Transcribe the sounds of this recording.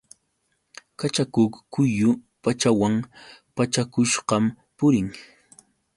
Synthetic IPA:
kat͡ʃakʊkkʊjʊpat͡ʃawampat͡ʃakʊʃɢɑm | pʊɾɪŋ

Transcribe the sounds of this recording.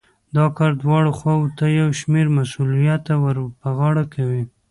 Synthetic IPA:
d̪ɑkɑɾd̪wɑɽoxwawot̪ajawʃmeɾmasulijat̪ːawəɾpəɣɑɽakʰawi

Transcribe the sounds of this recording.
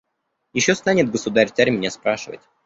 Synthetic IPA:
jɪɕːost̪anʲɪt̪̚ɡəsʊd̪aɾʲt̪saɾʲmʲnʲaspɾaʂɨvə̰tʲ

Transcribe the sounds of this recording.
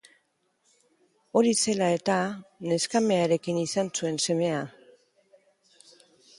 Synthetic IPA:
o̞ɾise̞lae̞t̪ane̞skame̞aɾe̞kinisansue̞nse̞me̞a

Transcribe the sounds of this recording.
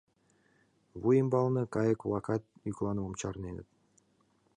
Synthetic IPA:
βujəmbɑlˠnɤkɑjə̆kvlˠɑkɑt̪̚yklˠɑnəmomt͡ɕɑrnenə̰̆t̪̚

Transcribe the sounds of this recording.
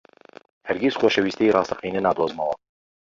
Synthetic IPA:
hɛɾɡʲisχoːʃɛwiːst̪ejrɑːst̪ɐqiːnɛnaːd̪ɾoːzmɐwɐ

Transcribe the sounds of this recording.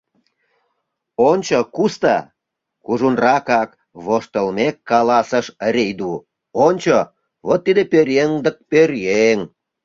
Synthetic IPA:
onʲt͡ɕokust̪ɑ̰ | kuʒunrɑkɑk | βoʃt̪əlmekːɑlɑsəʃɾejd̪u | onʲt͡ɕo | βot̪ːid̪epøɾjeŋd̪ək̚pørjeŋ

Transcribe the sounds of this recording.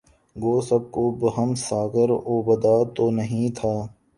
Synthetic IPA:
ɡoːsəb̚kobəɦəmsaːɡəɾoːbəd̪aːt̪oːnəɦĩt̪ʰaː

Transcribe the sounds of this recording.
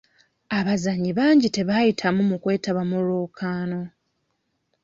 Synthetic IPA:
aβazaɲiβaːɲɟite̞βajitʰamumukwe̞ːtaβamuloːkʰaːno̞

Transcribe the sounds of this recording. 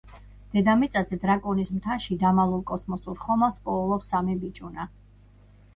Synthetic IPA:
d̪̥ɛd̪amit̪sʼazɛd̪ɾakʼɔnismt̪ʰaʃid̪amalˠulˠkʼɔsmɔsuɾχɔmaspʼɔulˠɔpsamibit͡ʃʼuna

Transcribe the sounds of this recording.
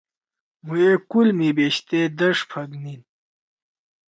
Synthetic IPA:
muekulmibeɕt̪ed̪ɐʂpʰɐɡnin

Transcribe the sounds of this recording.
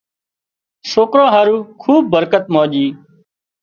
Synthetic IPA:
soːkɾãːɦaːɾuːkʰuːb̚ːəɾkət̪mõːʄiː

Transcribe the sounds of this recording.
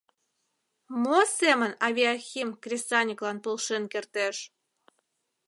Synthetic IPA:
mosemənɑβʲiaxʲimkrʲest̪ɑnʲiklɑnpolʃenkert̪eʃ

